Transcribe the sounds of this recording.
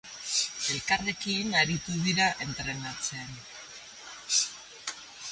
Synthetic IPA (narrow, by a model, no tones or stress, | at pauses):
e̞lkare̞kinaɾit̪uðiɾaʔe̞nt̪ɾe̞nat͡sen